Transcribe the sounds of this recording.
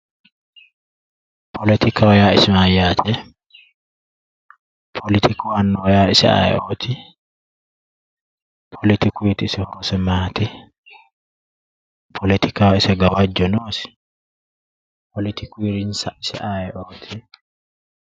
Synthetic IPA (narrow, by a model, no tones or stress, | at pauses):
pʰɔlɪt̪ʰɪkɐwɐjaːɪsɪmaːjaːt̪ʰɛ | pʰɔlɪt̪ʰɪkɔwanːɔwɐjaːɪsɛ̰a̰jɛ̰ʔoːt̪ʰɪ | pʰɔlɪt̪ɪkiːt̪ɪsɪhɔɾɔsɛmaːt̪ɪ | pʰɔlɪt̪ɪkawɪsɐɡɐwad͡ʒɔnoːsɪ̥ | pʰɔlɪt̪ʰɪkiɾɪnsɐɪsɛ̰ʔajɛʔoːt̪ʰɪ